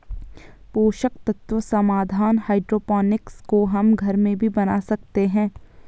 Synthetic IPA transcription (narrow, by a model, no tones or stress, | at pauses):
poːʃəkt̪ɐt̪wəsɐmaːd̪ʱaːnhaːɪɖɾoːpaːnɪkskoɦɐmɡʱɐɾmẽbʱibɐnaːsɐk̚t̪eɦɛ̃ː